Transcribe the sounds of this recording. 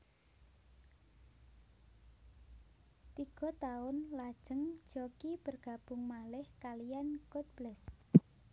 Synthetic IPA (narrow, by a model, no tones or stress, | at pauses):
t̪iɡ̥ɔ̤t̪aʊnlad̥ʒ̥əŋ̥d͡ʒɔkib̥ərɡ̥a̤b̥ʊŋmalɪhkalijankʊt̪̚b̥lɛs